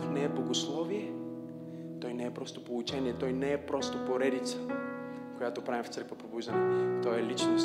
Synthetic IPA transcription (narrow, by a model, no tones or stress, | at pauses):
fnɛɛblˠɐɡoslˠɔviɛ | t̪ɔjnɛɛpɾɔst̪o̥polˠut͡ʃɛniɛt̪ɔjnɛɛpɾɔst̪opoɾɛd̪it̪sə̥ | kojat̪opɾavift̪səɾkvəpobuzənɛt̪ɔɛlit͡ʃnos